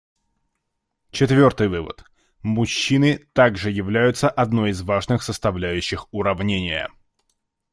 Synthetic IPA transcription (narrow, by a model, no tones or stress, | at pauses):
t͡ɕɪt̪vʲo̞rt̪ɨjvɨvə̰t̪ | mʊɕːinɨt̪aɡʐɨjɪvlʲæjʊt̪səʔɐd̪no̞jɪzvaʐnɨxsəst̪ɐvlʲæjʉɕːɪxʊɾɐvnʲenʲɪjə̰